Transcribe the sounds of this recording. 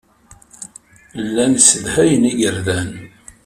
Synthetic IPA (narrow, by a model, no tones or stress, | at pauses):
lːænsəðhæjəniɡəɾðæn